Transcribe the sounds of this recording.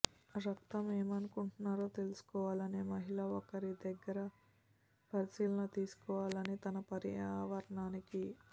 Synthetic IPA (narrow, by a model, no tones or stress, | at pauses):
ɾɐk̚t̪ɐmeːmɐnukuɳʈunaːɾoːt̪e̞lusu̥kɔːʋaːlɐne̞ːmɐɦilɐokɐɾid̪ɛɡːɐɾɐ | pɐɾisiːlɐnɐt̪iːsu̥kɔːʋaːlɐnit̪ɐnɐpɐɾḭaaːʋɐɾɐɳaːniki